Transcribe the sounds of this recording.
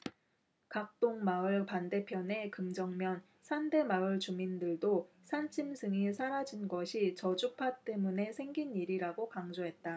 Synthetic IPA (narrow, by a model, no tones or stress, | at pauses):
kak̚t͈oŋmaɯɭpande̞pʰjʌne̞kɯmd͡ʑʌŋmjʌn | sʰande̞maɯɭt͡ɕumindɯɭdo | sʰant͡ɕʰimsʰɯŋisʰaɾad͡ʑinɡʌɕʰit͡ɕʌd͡ʑupʰat͈e̞mune̞sʰe̞ŋɡiniɾiɾaɡokaŋd͡ʑoɦe̞t̚t͈a